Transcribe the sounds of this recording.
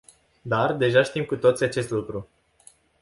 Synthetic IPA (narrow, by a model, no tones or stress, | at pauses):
d̪ard̪e̞ʒaʃt̪imkut̪o̞t̪sʲjat͡ʃe̞st̪lukɾu